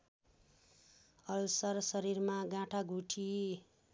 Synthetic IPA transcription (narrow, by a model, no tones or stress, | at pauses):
ʌlsʌrsʌɾiɾmaɡãʈʰaɡuʈʰi